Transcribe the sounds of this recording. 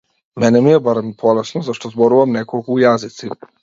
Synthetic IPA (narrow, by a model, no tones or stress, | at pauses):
mɛnɛmijebaɾempʰolesnozaʃt̪ozboɾuʋamnekolkuːjazit̪si